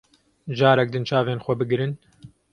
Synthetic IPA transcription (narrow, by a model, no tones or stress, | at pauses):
ʒaːɾɛk̚d̪ɨnt͡ʃʰaːveːnxʷɛbɨɡɾɨn